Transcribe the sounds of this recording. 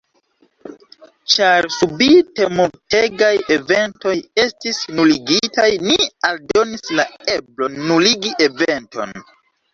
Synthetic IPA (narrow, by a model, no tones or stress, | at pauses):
t͡ʃaɾsubite̞multeɡaje̞ve̞nto̞je̞stisnuliɡitajnialdo̞nislae̞blo̞nuliɡiʔe̞ve̞nto̞̰n